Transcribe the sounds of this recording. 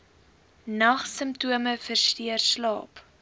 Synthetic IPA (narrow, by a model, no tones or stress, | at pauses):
nɐχsəmptuəməfərstiərslɑːp